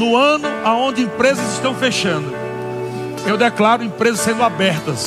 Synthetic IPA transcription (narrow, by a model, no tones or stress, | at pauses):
nʊɐ̃nʊaõnd͡ʒɪẽpɾezɐzɪʃt̪ɐ̃w̃feʃɐ̃nd̪ʊ | ewd̪ɛklaɾʊẽpɾezɐsẽnd̪ʊabɛɾt̪ɐs